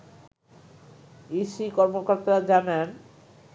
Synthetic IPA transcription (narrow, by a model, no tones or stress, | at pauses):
isikɔɾmokoɾt̪aɾad͡ʑanen